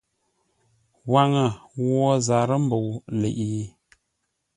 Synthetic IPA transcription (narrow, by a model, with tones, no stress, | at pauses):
wa˨ŋə˨wɔ˦za˨ɾə˦m̩˦bo˨wlḛ˨ʔi˨˦